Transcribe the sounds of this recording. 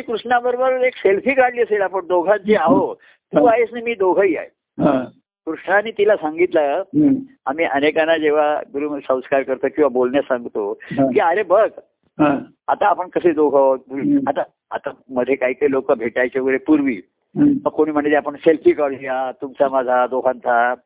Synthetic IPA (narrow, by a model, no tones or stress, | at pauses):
iːkɾuʂɳabəɾbəɾekselfiːkaɽliːəselapəɳd̪oɡʱat͡ɕiaɦo | t̪ũːaɦesnamiːd̪oɡʱəiːa̰j | ɦã | kɾuʂɳaniːt̪ilasaŋɡit̪lə | amiːʔənekanad͡ʑeʋ̤aɡuɾumsə̃w̃skaɾkəɾt̪əkĩw̃ʋabolɳjasaŋɡt̪okiːaɾebəɡ | ɦa | at̪aːpəɳkəsed̪oɡʱət̪̚uɾat̪a | a̰t̪aməd̪ʱːjekaɦiːkailokəbʱeʈajt͡ɕeɡɾepuɾʋiː | məkkoɽ̃iːm̤əɳit̪eapəɳselfʰiːkaɽijat̪umt͡samad͡zʱad̪oɡʱãnt̪ʰa